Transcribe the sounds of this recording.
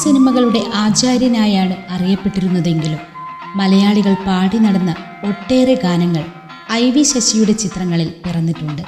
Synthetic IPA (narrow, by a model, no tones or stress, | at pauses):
sinimɐɣɐɭuɽe̞ʔaːt͡ɕaːɾjɐnaːjaːɳɨɐrijɐpːe̞ʈːiɾunːɐðe̞ŋɡilumː | ɐlɐjaːɭiɣɐɭpaːɽinɐɽɐnːɐ | o̞ʈːe̞ːreɡaːnɐŋːɐɭ | ɐjʋiɕɐɕijuɽe̞t͡ɕit̪rɐŋːɐɭilpirɐnːiʈːuɳɖɨ